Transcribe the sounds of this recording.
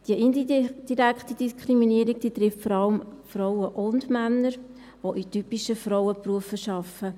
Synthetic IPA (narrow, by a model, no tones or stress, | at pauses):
d̥iəʔind̥iɾækχtid̥iskɾiminiəɾiɡ̚d̥iːt̪rɪftfɔɾɑləmfrɔwəʔʊndmænːəɾ | ʋoʔitypiʃəfɾɔwəpruəfəʃɑfə